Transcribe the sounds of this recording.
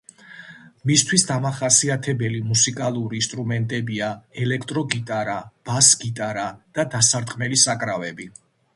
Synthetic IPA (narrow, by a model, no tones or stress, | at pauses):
mist̪ʰwisd̪amaχasiat̪ʰɛbɛlimusikʼalˠuɾiːnst̪ʼɾumɛnt̪ʼɛbiaɛlɛkʰt̪ʼɾɔɡit̪ʼaɾab̥asɡit̪ʼaɾad̪̥ad̪asaɾd̪qʼmɛlisakʼɾavɛbi